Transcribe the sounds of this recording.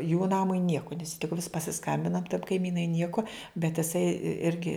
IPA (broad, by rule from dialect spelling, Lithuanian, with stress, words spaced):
juː ˈnɑːmʊɪ ˈnʲiɛkʊ nʲɛs tʲɪk ʋʲɪs pɐsʲɪˈskɐmʲbʲɪnɐ kɐɪˈmʲiːnɐɪ ˈnʲiɛkʊ bʲɛt ɪˈsɐɪ ˈɪrʲɡʲɪ